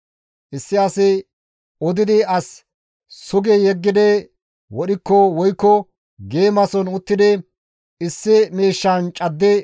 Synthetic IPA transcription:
ʔɪsːɪɐsɪ | ɔd̪ɪd̪ɪɐs | sʊɡɛjɛɡːɪd̪ɛ | wɔɗɪkːɔwɔjkːɔ | ɡe̞ːmɐsɔnʊt̪ːɪd̪ɪ | ɪsːɪmeːʃːɐnt͡ʃʼɐd̪ːɛ

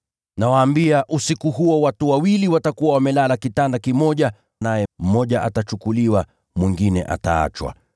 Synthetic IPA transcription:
nawaːmbiaʔusikuɦuɔwatuwawiliwatakuwawamɛlalakitandakimɔʄa | najɛm̩mɔʄaʔatat͡ʃukuliwa | mwiŋɡinɛ̰ʔa̰ta̰a̰t͡ʃwa̰

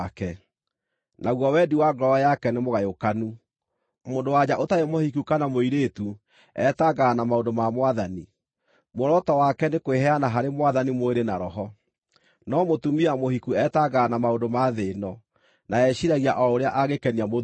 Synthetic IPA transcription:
kɛ | naɣwɔwɛdiwaɡɾɔɔjakɛnemoɣajokanu | moːndowad͡ʑaʔotajemohikukanamoiɾeːtu | ɛtaɡaːnamaondomamwaðani | moɾɔtɔwakɛnekoeɦɛanaɦaɾemwaðanimoeɾenaɾɔɦɔ | nɔmotumiamohikuɛtaɡaːnamaondomaðeːnɔ | naɛɕiɾaɣiaʔɔoɾeaʔaɣekɛniamo

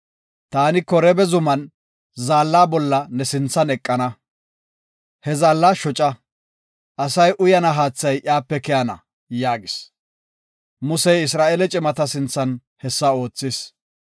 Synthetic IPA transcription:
t̪aːnɪkɔɾɛbɛzʊmɐn | zaːlːaːbɔlːɐnɛsɪnt͡sːɐnɛkʼːɐnɐ | hɛzaːlːaːʃɔt͡ʃʼɐ | ʔɐsɐjʔʊjɐnɐɦaːt͡sːɐjʔɪaːpːɛkɛjɐnɐ | jaːɡɪs | mʊsɛjɪs̬ɾaːʔɛlɛt͡ʃʼɪmɐt̪ɐsɪnt͡sːɐn | hɛsːɐo̞ːt͡sːɪs

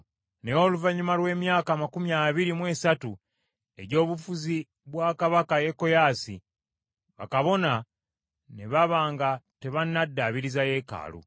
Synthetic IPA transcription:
neoːluvaɲumalwe̞ːmjaːkamakumjaːβiɾimwe̞ːsatu | e̞ɟo̞ːβufuzi | βwaːkaβakaje̞kːo̞jaːsi | βa̰kaβo̞na | ne̞βaβaːŋɡate̞βanːadːaːβiɾizaje̞ːka̰ːlṵ

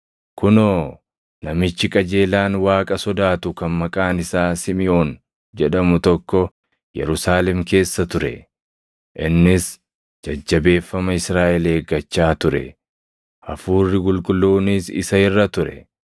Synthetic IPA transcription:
kʊnoː | nɐmɪt͡ʃːɪkʼɐd͡ʒe̞ːlaːnwaːkʼɐsɔd̪aːt̪ʊkɐnmɐkʼaːnɪsaːsɪmɪjo̞ːn | d͡ʒɛᶑɐmʊt̪ɔkːɔ | jɛ̰ɾʊsaːlɛmke̞ːsːɐt̪ʊɾɛ̰ | ʔɪnːɪs | d͡ʒɐd͡ʒːɐbe̞ːfːɐmɐɪsɾaːʔɛleːɡɐt͡ʃːaːt̪ʊɾɛ̰ | ʔɐfuːrːɪkʼʊlkʼʊlːoːnisɪ̰sɐɪrːɐt̪ʊɾɛ̰

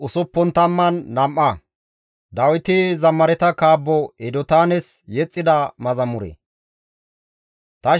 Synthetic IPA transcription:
ʊsʊpːɔnt̪ɐmːɐnːɐmʔːɐ | d̪ɐwɪt̪ɪzɐmːɐɾɛt̪ɐkaːbːɔɛd̪ɔt̪aːnɛsjɛt͡sʼːɪd̪ɐmɐzɐmʊɾɛ̰ | t̪ɐ

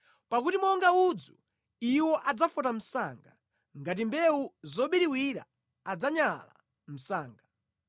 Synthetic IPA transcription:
pakutimɔŋɡaud͡zu | iwɔʔad͡zafɔtam̩saŋɡa | ŋɡat̬imbɛuzɔɓiɾiwiɾa̰ː | d͡zaɲala̰ | m̩saːŋɡa

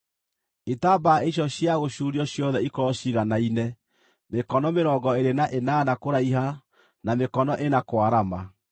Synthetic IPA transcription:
etabaeɕ̬ɔɕjaɣoɕuɾiɔɕjɔðɛikɔɕiɣanainɛ | mekɔnɔmeɾɔɡɔeɾenaʔenanakoɾaiɦa | namekɔnɔʔenakwaɾama

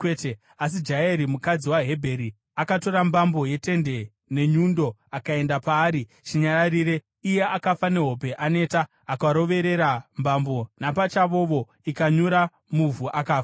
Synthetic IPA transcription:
kweːte | as̬id͡ʒaeɾimukad͡ziwaɦe̞bʱe̞ɾi | akato̞ɾambambo̞je̞te̞nde̞ | ne̞ɲundo̞akae̞ndapaːɾi | t͡ʃiɲaɾaɾiːɾe̞ | ije̞ʔakafane̞ɦo̞pe̞ʔane̞ːtaː | kaɾo̞ʋe̞ɾe̞ɾambambo̞napat͡ʃaʋo̞ʋo̞ | ikaɲuɾa | muvuʔakaːfḁ

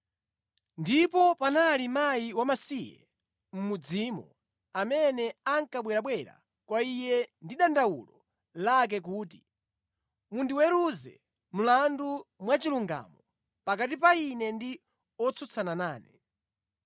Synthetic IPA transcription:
ndipɔpanalimajiwamasijɛ̰ | m̩mud͡zimɔ̰ | amɛnɛaŋkaɓwɛɾaɓwɛɾa̰ | kwaijɛndiɗandawulɔ | lak̬ɛk̬uːt̬i | mundiwɛɾuzɛ̰ | m̩landumwat͡ʃiluŋɡa̰ːmɔ | pakat̬ipainɛndi | ɔt͡sʰut͡sʰananaːnɛ

